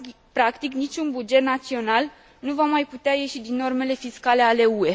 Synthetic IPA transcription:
pɾakt̪iknit͡ʃʲunbud͡ʒe̞t̪nat̪sio̞nal | nuvamajput̪eaje̞ʃid̪inːo̞rme̞le̞fiskale̞ale̞ue̞

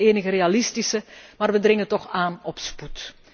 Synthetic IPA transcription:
eːnəɣəreːalɪstisəmaːrʋədrɪŋətɔχaːnɔpsput

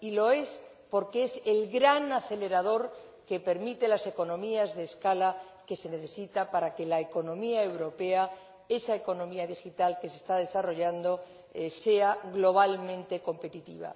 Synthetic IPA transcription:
ilo̞e̞s | po̞ɾkeese̞lɣɾanaθe̞le̞ɾað̞o̞ɾ | kepe̞ɾmit̪e̞lase̞ko̞nõ̞miazðe̞ːskala | ke̞se̞ne̞θe̞sit̪apaɾake̞laeko̞nõ̞miae̞wɾo̞pe̞a | e̞saeko̞nõ̞miaðixit̪alke̞se̞st̪að̞esaro̞ʝand̪o̞ | se̞aɣlo̞β̞almẽnt̪e̞ko̞mpe̞t̪it̪ḭβa̰

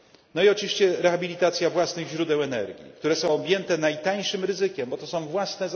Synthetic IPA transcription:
nɔiɔt͡ʂɨvʲiɕt͡ɕɛɾɛxabʲilʲit̪at̪sʲjavwasnɘɣʑɾud̪ɛwɛnɛ̰ɾɡʲḭkt̪uɾɛsɔ̃w̃ɔbʲjɛnt̪ɛnajt̪aɲ̃ʂɘmɾɘzɘkʲɛmbɔt̪ɔsɔ̃w̃vwasnɛ

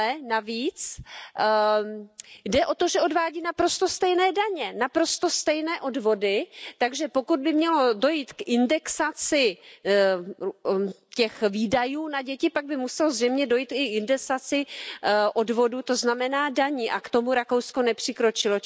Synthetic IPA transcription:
ɛnaviːt͡s | dɛʔo̞t̪o̞ʒɛʔo̞dvaːɟiːnapɾo̞st̪o̞st̪ɛjnɛːdaɲɛnapɾo̞st̪o̞st̪ɛjnɛːʔo̞dvo̞dɪt̪aɡʒɛpo̞kud̪̚bɪmɲɛlo̞do̞jit̪kɪndɛksat͡sɪ | cɛxviːdajuːnaɟɛcɪpaɡ̚bɪmusɛlozrɛjmɲɛdo̞jiːt̪ɪɪndɛsat͡sɪʔo̞dvo̞dut̪o̞znamɛnaːdaɲɪʔakt̪o̞muɾako̞wsko̞nɛpr̝̥ɪkɾo̞t͡ʃɪlo̞

